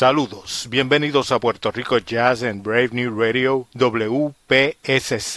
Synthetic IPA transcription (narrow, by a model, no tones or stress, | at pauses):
saluðosbje̞mbe̞niðo̞sapwe̞ɾt̪o̞riko̞d͡ʒas̬enbɾejvnjureðjoðoβleupeesese